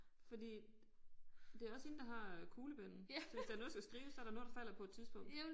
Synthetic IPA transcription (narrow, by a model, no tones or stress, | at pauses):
fɒ̽d̥ḭː | d̥e̝æɐɒ̽seːn̩d̥ɑ̈ɦɑ̈kʰuːləb̥en̰n̩sɒʋesd̥ænoðˠsɡ̥æsɡ̥ʁiːʊsɒ̽æɐɾɑno̽ːð̩ˠd̥ɑ̈fæl̰ɐpʰɒ̽e̝d̥t͡siðˠsb̥ɔ̽ŋ̰